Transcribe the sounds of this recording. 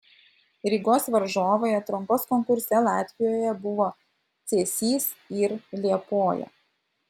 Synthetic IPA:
ɾʲɪɡoːsʋɐɾʒoːʋoːjɛt̪ɾʊmpɔskɔŋkʊɾʲsʲɛlˠɑːt̪ʲʋʲɪjoːjɛbʊʋoː | t̪sʲeːsʲiːsɪɾlʲiɛpoːjɛ̰

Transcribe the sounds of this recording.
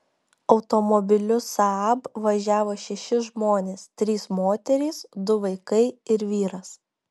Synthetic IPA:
ɒʊt̪omɔbʲɪlʲʊsɐɑbʋɐʒʲæːʋoːʃʲɛʃʲɪʒmoːnʲeːst̪ʲɾʲiːsmoːt̪ʲɛɾʲɛɪsd̪ʊʋɐɪkɐɪɪɾʋʲiːɾɐs

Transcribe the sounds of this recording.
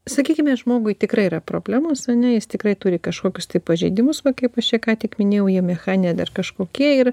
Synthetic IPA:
sɐkʲiːkʲɪmʲɛʒmoːɡʊɪt̪ʲɪkɾɐɪiɾɐpɾoːbʲlʲæːmoːsɐnʲɛjɪst̪ʲɪkɾɐɪt̪uːɾʲɪkɐʃkoːkʲʊst̪ɐɪppɐʒʲɛɪd̪ʲɪmʊsʋɐkɐɪpɐʃt͡ʃʲiɛkɑːt̪ʲɪkmʲɪnʲeːjɛʊjɛmʲɛxɑːnʲɪjɛd̪ɐrkɐʃkoːkʲiɛɪr

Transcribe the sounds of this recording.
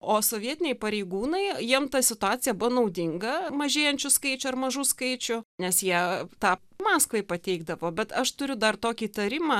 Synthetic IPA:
oːsoːʋʲiɛt̪ʲɪnʲɛɪpɐɾʲeɪɡuːnɐɪjiɛmt̪ɐsʲɪt̪ʊɑːtt͡s̪ʲɪjɛbʊʋonɐʊd̪ʲɪŋɡɐmɐʒʲeːjɛnʲt͡ʃʲʊskɐɪt͡ʃʲʊɐrmɐʒuːskɐɪt͡ʃʲʊnʲɛsjiɛt̪ɑːpmɑːskʋɐɪpɐt̪ʲɛɪɡd̪ɐʋoːbʲɛt̪ɐʃt̪ʊɾʲʊd̪ɐrt̪oːkʲiːt̪ɐɾʲɪmɑː

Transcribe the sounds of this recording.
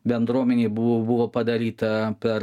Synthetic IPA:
bʲɛnd̪ɾuɔmʲɛnʲeːbʊobʊʋoːpɐd̪ɐɾʲiːt̪ɐpʲɛɾ

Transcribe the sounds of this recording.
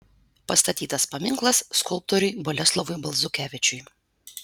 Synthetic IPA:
pɐst̪ɐt̪ʲiːt̪ɐspɐmʲɪŋklˠɐsskʊlˠp̚t̪ɔɾʲʊjbɔlʲɛslˠɔʋʊjbɐlˠzʊkʲæːʋʲɪt͡ʃʲʊj

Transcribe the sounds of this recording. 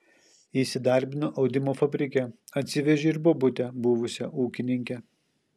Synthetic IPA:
iːˑsʲɪd̪ɐˑɾʲbʲɪnʊʔɒʊd̪ʲɪmoːfɐbʲɾʲɪkʲɛɐt̪ʲsʲɪʋʲɛʒʲeɪɾbobʊt̪ʲɛbʊʋʊsʲɛʔuːkʲɪnʲɪŋʲkʲɛ

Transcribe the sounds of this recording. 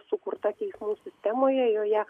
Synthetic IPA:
sʊkʊɾt̪ɐt̪ʲɛɪsmuːsʲɪsʲt̪ʲɛmoːjɛjoːjɛ

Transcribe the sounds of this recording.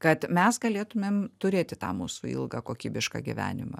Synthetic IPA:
kɐt̪mʲɛsɡɐlʲeːt̪ʊmʲeːmt̪ʊɾʲeːt̪ʲɪt̪ɑ̰ːmṵːsuḭlˠɡɐɑkoːkʲiːbʲɪʃkɑ̰ɡʲɪ̰ʋʲæ̰ːnʲɪmɐ̰

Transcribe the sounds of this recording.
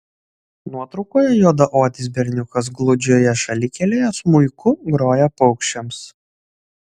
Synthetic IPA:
nuɔt̪ɾɔʊkoːjɛjoːd̪ɐʔoːt̪ʲɪs̬bʲɛɾʲnʲʊkɐs̬ɡlˠʊd͡ʒʲoːjɛʃɐlʲɪkʲɛlʲeːjɛsmʊɪkʊɡɾoːjɛpɔʊkʃʲt͡ʃʲɛms

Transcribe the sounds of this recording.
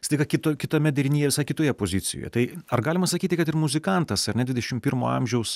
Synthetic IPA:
st̪ɐɪkɐkʲɪt̪okʲɪt̪oːmʲɛd̪ʲɛɾʲɪnʲiːjɛʋʲɪsɐjkʲɪt̪oːjɛpoːzʲɪt̪sʲɪ̰jo̰jɛ̰t̪ɐɪɐɾɡɑːlʲɪmɐsɐkʲiːt̪ʲɪkɐt̪ɪɾmʊzʲɪkɐnt̪ɐsɐɾnʲɛd̪ʲʋʲɪd̪ʲɛʃʲɪmpʲiːɾmo̰ːɐ̰mʲʒʲɛʊs

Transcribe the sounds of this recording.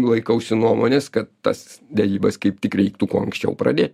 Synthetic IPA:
lˠɐɪkɐʊsʲɪnuɔmoːnʲeːskɐt̪t̪ɐ̰sd̪ʲɛɾʲiːbɐskɐɪp̚t̪ʲɪkɾʲɛɪk̚t̪ukuɔːɐŋksʲt͡ʃʲɛ̰ʊpɾɐ̰d̪ʲeːt̪̚ʲ

